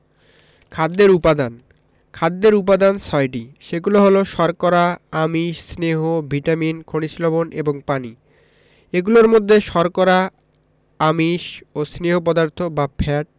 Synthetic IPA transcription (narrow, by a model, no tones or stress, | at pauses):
kʰad̪ːeɾupad̪an | kʰad̪ːeɾup̬ad̪ansɔjʈiʃeɡuloɦoloʃɔɾkɔɾaamiʃsneɦobʱiʈaminkʰoɽ̃isloboneboŋpani | eɡuloɾmod̪ʱːeʃɔɾkɔɾa | amiʃosneɦop̬ɔd̪aɾt̪ʰobapʰɛʈ̚